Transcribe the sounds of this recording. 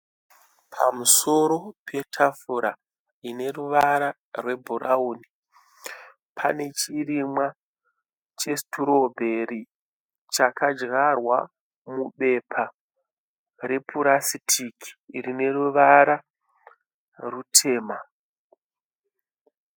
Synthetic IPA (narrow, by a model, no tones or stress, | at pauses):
pʰa̰muso̞ɾo̞pʰe̞tʰafuɾa | ine̞ruʋaɾa | rwe̞bʱuɾʔauːni | pʰa̰ne̞t͡ʃirimwa | t͡ʃe̞stuɾo̞bʱe̞ɾi | t͡ʃakad͡ʒɣarwa̰ | muɓe̞pʰa | ɾe̞pʰuɾasitʰikʰi̥rine̞ruʋaɾa | rutʰe̞ːma